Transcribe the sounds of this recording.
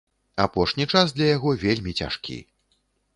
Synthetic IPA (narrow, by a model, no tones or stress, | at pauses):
apɔʂnʲit͡ʂazd̪lʲɐjaɣɔvʲelʲmʲit͡sʲa̰ʂkʲḭ